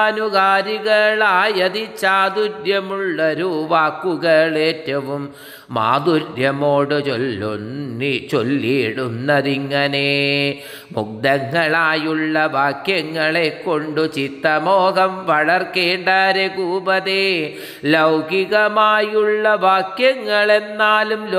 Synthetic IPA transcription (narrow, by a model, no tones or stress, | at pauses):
nukaːɾiɣɐɭaːjɐðit͡ɕaːd̪uɾjɐmuɭːɐɾuʋaːkːuɣɐɭetːɐʋumː | a̰ːd̪uɾjɐmoːɽɨt͡ɕol | t͡ɕolːieɽunːɐðiŋːɐne̞ | muk̚d̪ɐŋːɐɭaːjuɭːɐʋaːkjɐŋːɐɭe̞kːo̞ɳɖut͡ɕit̪ːɐmoːɣɐmʋɐɭɐrkeːɳɖaːɾekuːbɐðe | lɐwɡiɣɐmaːjuɭːɐʋaːkjɐŋːɐɭe̞nːaːluml